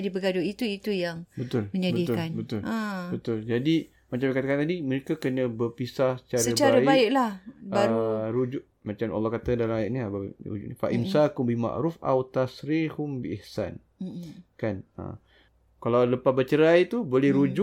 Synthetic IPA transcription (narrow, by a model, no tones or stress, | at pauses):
adibəɡaduit̪uit̪ujaŋbət̪ʊlməɲabədit̪ʊkanbət̪ʊlabət̪ʊld͡ʒadi | mat͡ʃamakat̪əkant̪adiməɾekakənə̃bərpisahsə̥t͡ʃaɾsəat͡ʃaaɾabaɪʔlahbaɾuɾud͡ʒʊʔmat͡ʃama̰lːɑhkat̪adalamajaʔniaba̰ɾṵd͡ʒṵʔnifa̰ʔimsakʊmbima̰ʔɾufʔa̰wt̪asɾihʊmbiʔɪhsa̰n̩ | kanə̰ | kalawləpahbət͡ʃəɾajt̪ubolɛhɾud͡ʒʊʔ